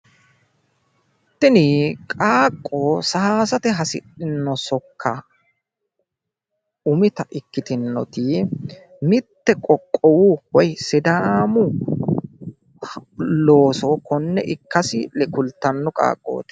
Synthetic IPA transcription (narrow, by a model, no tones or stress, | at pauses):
t̪ːɪnɪkʼaːkʼːo̞ːsaaːsɐt̪ɛɦɐsɪ̰ᶑɪnːɔsɔkʰːɐ | ʊmɪt̪ɐʔɪkːɪt̪ɪnːɔ̰t̪ɪ | mɪt̪ːɛkʼɔkʼːɔwuwɔjsɪd̪aːmʊ | lo̞ːsɔkɔnːɛʔɪkːɐsɪlɛkʊlt̪ːɐnːɔkʼa̰ːkʼːo̞̰ːt̪ɪ̥